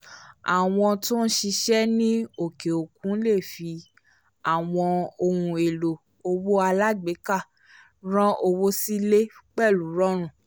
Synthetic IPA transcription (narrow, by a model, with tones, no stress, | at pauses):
a̰˨w̃ɔ̃˧tõ˦n̩˦ʃi˧ʃɛ˦nĩ˦o˨ke˨o˨kũ˨˦le˦˨fi˧ | a˨w̃ɔ̃˧o˧hũ˧e˨lo˨ | o˧wo˦a˧la˦ɡ͡be˨˦ka˦˨ | ɾ̃ɔ̃˦ʔo˧wo˦si˦le˦k͡pɛ˦˨lu˨˦ɾɔ̃˦ɾ̃ũ˦˨